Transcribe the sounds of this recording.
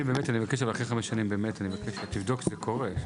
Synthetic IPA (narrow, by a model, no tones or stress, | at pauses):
ibeːmetanivakeʃ̬avalaχeχameʃːanimbe̞ːmetanivakeʃt̪ivd̪o̞kzekʰo̞ʁe